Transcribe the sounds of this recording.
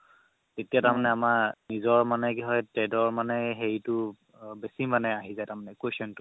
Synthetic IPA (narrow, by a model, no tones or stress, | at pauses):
tetijataɹmanɛamanizɔɹmanɛkiɦɔjtɹɛdɔɹmanɛɦeɹjtʊ | besimanɛaɦizajtaɹmanɛkwesɔntʊ̥